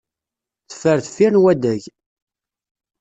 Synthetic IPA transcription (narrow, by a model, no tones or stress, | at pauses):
θə̥fəɾθə̥fiɾnwæd̪æʝ